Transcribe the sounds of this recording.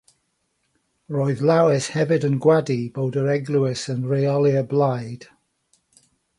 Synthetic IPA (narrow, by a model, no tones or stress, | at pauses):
ɹoːɨðlˠawɪshɛvɪdənɡwadibowdəɹɛɡlˠuɪsənɹeɔlˠiəblajd̥